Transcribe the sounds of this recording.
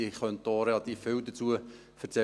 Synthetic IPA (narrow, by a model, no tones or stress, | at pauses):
əχœnt̚d̥oɾelɑt̪iːffɪwd̪ət͡suə | fəɾt͡sɛ